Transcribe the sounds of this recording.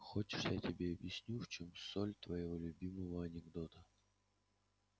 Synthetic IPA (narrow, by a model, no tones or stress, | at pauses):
xot͡ɕɪ̥ʂjatʲɪbʲeɐbjɪsʲnʲuft͡ɕomsolʲt̪vɐjɪvolʲʊbʲiməvəɐnʲɪɡd̪ot̪ə